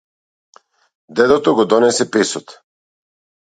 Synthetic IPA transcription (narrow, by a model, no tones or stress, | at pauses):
d̪ɛd̪ɔt̪ɔɡɔd̪ɔnɛsɛpɛsɔt̪